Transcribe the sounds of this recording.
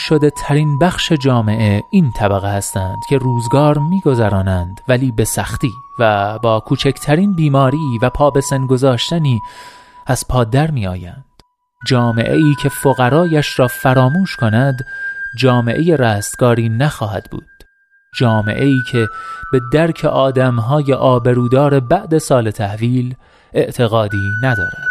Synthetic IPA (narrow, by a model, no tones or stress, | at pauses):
ʃo̞d̪e̞t̪ʰæɾinbæxʃe̞d͡ʒɒːme̞ʔe̞int̪ʰæbæɣehæst̪ænd̪̥cʲʰe̞ruːzɡɒːɾmiːɡo̞zæɾɒːnænd̪væliːbe̞sæxt̪iːvæbɒːkʰuːt͡ʃʰækʰt̪ʰæɾiːnbiːmɒːɾiːvæpʰɒːbe̞senɡo̞zɒːʃt̪æniːæz̥pʰɒːd̪æɾmiːɒːjænd̪̥ | d͡ʒɒːme̞̰ʔeiːcʰe̞foɣæɾɒːjæʃrɒːfæɾɒːmuːʃkʰo̞næd̪d͡ʒɒːme̞ʔe̞je̞ræːst̪ɡ̥ɒːɾiːnæxɒːɦæd̪̥bṵːd̪̥ | d͡ʒɒːme̞̰ʔe̞iːcʰe̞b̥e̞d̪æɾcʰḛʔɒːd̪æmɦɒːje̞ʔɒːbe̞ɾuːd̪ɒːɾe̞bæʔd̪e̞sɒːle̞t̪ʰæhviːl | e̞ʔt̪ʰe̞ɣɒːd̪iːnæd̪ɒ̰ːɾæ̰nd̪̥